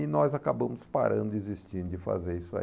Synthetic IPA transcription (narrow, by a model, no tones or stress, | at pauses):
ɪnɔzakabɐ̃mʊspa̰ɾɐ̰̃nd̪ʊezist͡ʃĩnd̪ʊd͡ʒɪfa̰zeɾisʊa̰